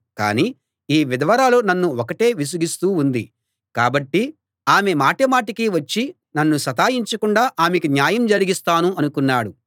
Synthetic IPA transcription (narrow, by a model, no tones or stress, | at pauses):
ka̰ːniː | iːʋid̪ɐʋɐɾaːloːnɐnːuokɐʈe̞ːʋis̬uɡist̪uːnd̪i | kaːbɐʈːi | aːme̞maːʈɐmaːʈ̬ikiʋɐt͡ʃːi | nɐnːusɐt̪aːjiɲt͡ʃɐkuɳɖaːʔaːmekinjaːjɐmd͡ʒɐɾiɡist̪aːnuɐnukunːaːɽu